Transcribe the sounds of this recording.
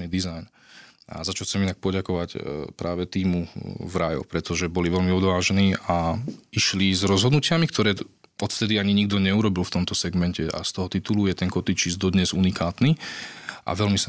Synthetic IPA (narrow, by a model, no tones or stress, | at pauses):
nid̪izajn | a̰zat͡ʃalt͡sɛminak̚pɔɟakɔʋacpɾʔaːʋɛt̪iːmuvɾajɔ̰pɾɛt̪ɔʒɛbɔliʋɛlmiɔd̪ʋaːʒɛniːaiʃlizɾɔzɦɔd̪nucɪamikt̪ɔɾɛː | ɔt̪ft̪ɛd̪iaɲiɲiɡd̪ɔɲɛuɾɔbilft̪ɔmt̪ɔsɛɡmɛncɛa̰st̪ɔɦɔt̪it̪ulujɛt̪ɛnkɔt̪it͡ʃizd̪ɔd̪ɲɛzunikaːt̪ni | ʔa̰ʋɛlmisa